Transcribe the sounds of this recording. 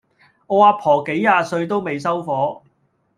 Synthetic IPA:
ɔː˨˧aː˧pʰɔː˨˩ke˨˥jːaː˨˧sɵ˧ɥt̪o˥wme˨˧jsɐ˥wfɔː˨˥

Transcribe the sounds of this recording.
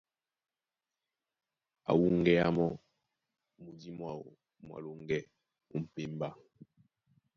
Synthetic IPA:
a̰˨wu˦ŋ˨ɡɛ˦a˦mɔ˦˨ | mu˨di˦mwa˦˨wo̰˨ | mwa̰˨lo˦ŋɡɛ˦ | u˨m̩˨pe˦mba˦

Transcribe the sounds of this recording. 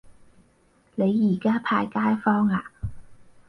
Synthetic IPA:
ne˨˧jːiː˨˩kaː˥pʰaː˧jkaː˥jfɔː˥ŋaː˧

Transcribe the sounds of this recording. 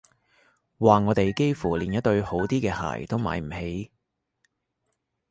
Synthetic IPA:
waː˨ŋɔː˨˧t̪e˨jke˥jfuː˨˩liː˨˩njɐ˥t̪̚ɵ˧ɥho˨˥wt̪iː˥kɛː˧ha̰ː˨˩jt̪o˥wma̰ː˨˥jm̩˨˩he˨˥j

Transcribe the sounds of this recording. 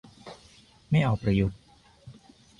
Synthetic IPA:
ma˥˩jʔɔː˨˩k̚pɾa˧ju˨˩t̪̚

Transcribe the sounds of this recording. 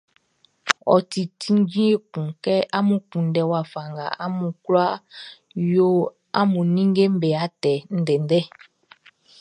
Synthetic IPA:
ɔ̰˨ti˨ti˦n˦d͡ʒĩ˦e˨kũ˨kɛ˦ʔa˦mũ˨kũ˨n˦dɛ˨wa˨fa˨ŋɡa̰˨a˦mũ˨kla˦ | jo˦ | a̰˦mũ˨nĩ˦ŋ˦ɡe˦m̩˦bɛ˨a˨˦tɛ˨n̩˦dɛ˨n˦dɛ˦

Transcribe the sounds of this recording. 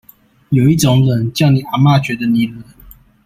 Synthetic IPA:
jo˨˩ʊi˥˩ʈ͡ʂʊ˧˦ŋlə˨˦nt͡ɕjɑ˥˩ʊni˨˩˦a˨˧˦ma˥˨ɕɥɛ˧˥˦d̪ə˧ni˨˩lə˨˦n

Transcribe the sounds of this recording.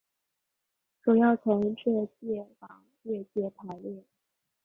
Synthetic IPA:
ʈ͡ʂu˨˩jɑ˥˩ʊt͡sʰʊ˧˥ŋʈ͡ʂɤ˥˧t͡ɕjɛ˥˩fɑ˧˥ŋ | ɛ˥˧t͡ɕjɛ˥˩pʰa˧˥ɪljɛ˥˩

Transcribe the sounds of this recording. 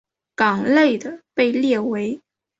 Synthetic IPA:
kɑ˨˩ŋle˥˩ɪd̪ə˩pe˥˧ɪljɛ˥˩we˧˥ɪ

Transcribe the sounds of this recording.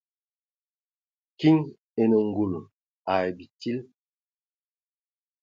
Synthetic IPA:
ki˦ŋ | e˨nə˨ŋ˦ɡu˨lu˨ | a˨e˨bi˨ti˦l

